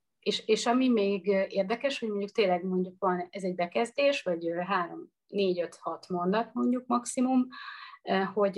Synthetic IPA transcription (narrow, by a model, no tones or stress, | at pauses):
eːʃeːʃɒmimeːɡeːrd̪ɛkɛʃho̞ɟmo̞ɲɟuk̚t̪eːlɛɡmo̞ɲɟukʋɒnɛzɛɟbɛkɛzd̪eːʃʋɒɟɦaːɾo̞m | neːɟø̞t̪hɒt̪mo̞nd̪ɒt̪mo̞ɲɟuk̚mɒksimum | ho̞ɟ